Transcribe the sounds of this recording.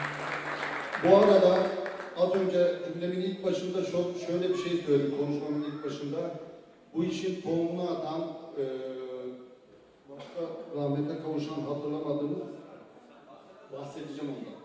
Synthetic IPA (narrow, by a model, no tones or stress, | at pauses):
buaɾad̪a | at̪ʰoŋcʰɛd͡ʒimd̪ɛbinilʲc̚ʲbaʃɯnd̪at͡ʃʰokʃøjlʲɛbiʃej̪øjɾimkʰo̞nuʃmamɯnilʲc̚ʲbaʃɯnd̪a | buiʃint̪ʰonat̪ʰanː | baʃkaɾamɛɛkʰawuʃanɦat̪ʰɯɾlˠamad̪ɯːmɯz | bahset̪ʰid͡ʒɛmund̪a